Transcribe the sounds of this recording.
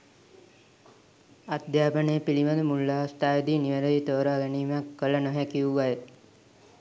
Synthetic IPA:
ad̪jaːpənepiliʋad̪əmulːast̪aːjed̪iːniʋəɾəit̪oːɾaːɡɛniːmakːələnoɦækiuʋaje

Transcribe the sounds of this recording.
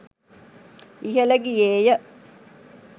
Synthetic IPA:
iɦələɡieːjə

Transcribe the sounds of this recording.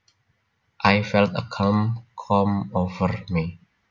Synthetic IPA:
ʔajfɛltəkʰãmkʰɔmovəɹmi

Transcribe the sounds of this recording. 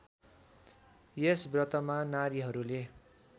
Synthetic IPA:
jesbrʌt̪ʌmanaɾiɦʌɾule

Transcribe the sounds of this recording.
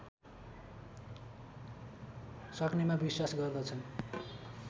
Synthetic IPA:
sʌknemabiswasɡʌrd̪ʌt͡sʰʌn

